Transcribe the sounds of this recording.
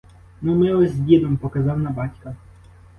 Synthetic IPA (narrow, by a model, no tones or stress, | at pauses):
numɪɔzʲbʲid̪ɔmpɔkɐzɑwnɐbɑtʲkɐ